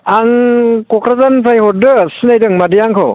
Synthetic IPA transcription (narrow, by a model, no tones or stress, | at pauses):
aŋkɔkɾazanpʰajhɔdɯsinajdɯŋmadɯjaŋkʰo̰